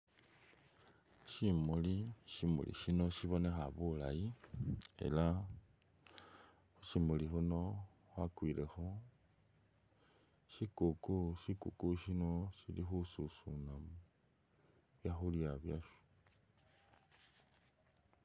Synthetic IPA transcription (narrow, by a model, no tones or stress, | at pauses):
ʃimuliʃimṵlḭʃino̞ʃiβo̞ne̞xaβulaji | e̞̰la | xuʃimulixuno̞ | xwakwilexo | ʃikukuʃikukuʃino̞ʃilixususunam | βjaxuljaβjaʃu̥